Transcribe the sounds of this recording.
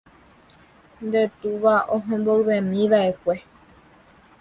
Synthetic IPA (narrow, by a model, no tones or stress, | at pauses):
nd̪e̞t̪uʋaõɦẽmboɰβẽmĩʋaʔe̞kʷe̞